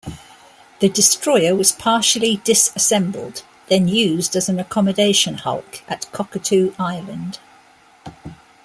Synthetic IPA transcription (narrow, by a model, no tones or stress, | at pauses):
ðədɪstɹ̥ɔɪəwɒz̥pʰɑˑʃəlidɪsəsɛ̃mbə̰lˠd̪ | ðə̃njʉːzdəzə̃nəkʰɒmədeɪʃə̃nhʌ̰lˠkʔəʔkʰɒkətʰʉːʔaɪlə̃nd̥